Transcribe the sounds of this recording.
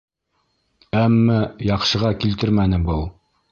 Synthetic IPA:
æmːæjɑqʃɤ̆ʁɑkilt̪ɘɾmænɘbɤlˠ

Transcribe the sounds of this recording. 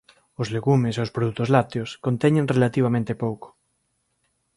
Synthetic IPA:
ozleɣumeseospɾoðut̪ozlat̪eoskont̪ɛɲẽŋrelat̪iβ̞amẽnt̪epowko̥

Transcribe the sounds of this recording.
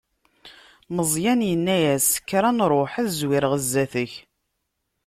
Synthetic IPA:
məzˤjænjənːæjæskːɾˤænɾˤoħæθzwɪɾəʁəzːæθəç

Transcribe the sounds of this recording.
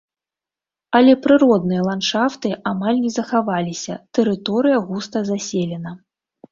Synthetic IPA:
ɐlʲɛpɾɨɾɔd̪nɨjɐlˠantʂaft̪ɨʔamalʲnʲɛzɐxavalʲisʲɐt̪ɛɾɨt̪ɔɾɨjɐɣust̪ɐzasʲelʲɛnɐ

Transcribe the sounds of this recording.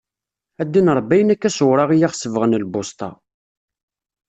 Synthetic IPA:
æd̪ːinəɾˤbːæjənækːæsʊwɾˤɑʁijaχsəvʁənlbost̪ˤɑ̰

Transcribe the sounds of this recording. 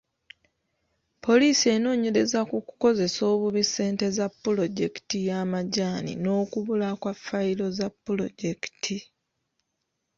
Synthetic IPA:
po̞liːsie̞no̞ːɲe̞ɾe̞zakuku̥ko̞ze̞so̞ːβuβise̞ːnte̞zapːulo̞ɟe̞ki̥tijamaɟaːnḭno̞ːkuβulakwafːailo̞zapːulo̞̰ɟe̞ki̥tʰi

